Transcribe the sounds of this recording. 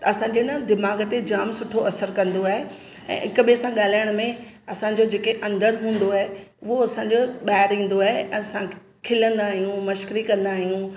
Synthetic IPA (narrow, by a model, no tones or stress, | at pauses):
ɐsãːɲd͡ʑenɐd̪ɪmaːɡt̪ed͡ʑaːmsʊʈʰoʔɐsəɾkɐ̃nd̪oaːɦe | ɛ̰̃ːɦɪkʊɓisãɠaːl̤aːjəɽ̃mẽɐsãːɲ̆d͡ʑod͡ʑeːkeʔɐ̃nd̪əɾɦũːn̆d̪oaːɦeʊɦoɐsãːɲd͡ʑoɓaːɪɾĩːn̆d̪oaːɦeɛ̃ːsã | kʰɪlə̃nd̪aːɦijũmɐʃkɪɾikɐ̃nd̪aːɦijũː